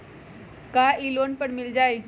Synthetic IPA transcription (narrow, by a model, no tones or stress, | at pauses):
kaːʔiloːnpəɽmɪld͡ʒaːe